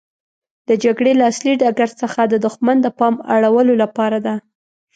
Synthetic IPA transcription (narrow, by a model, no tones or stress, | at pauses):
d̪̥əd͡ʒaɡɽelaːsliɖɑɡaɾsəxad̪əd̪ʊxmand̪əpɑma̰ɽawəlolapɑɾad̪a